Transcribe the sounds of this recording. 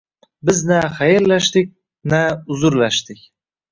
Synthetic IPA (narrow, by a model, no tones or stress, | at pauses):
bɪznaχajeɾlaʃt̪ɪk̚ʲ | naʊzʊɾlaʃt̪ɪkʲ